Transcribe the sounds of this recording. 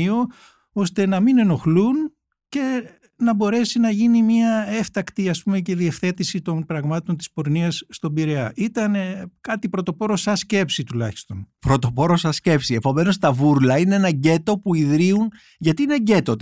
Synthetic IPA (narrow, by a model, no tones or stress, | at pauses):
io | o̞st̪e̞nɐmine̞no̞xlun | ce̞ | nɐbo̞ɾe̞sinɐʝinimiɐe̞ft̪ɐkt̪iɐspume̞ce̞ðie̞fθe̞t̪isit̪o̞npɾɐɣmɐt̪o̞nt̪ispo̞ɾniɐsːt̪o̞biɾeɐʔit̪ɐnkɐt̪ipɾot̪o̞po̞ɾo̞sɐsce̞psit̪ulɐçi̥st̪o̞̰npɾo̞t̪o̞po̞ɾosɐsce̞psiepo̞me̞no̞st̪ɐvuɾlɐineenɐɟe̞t̪o̞puiðɾiun | ʝɐt̪iineɟe̞t̪ot̪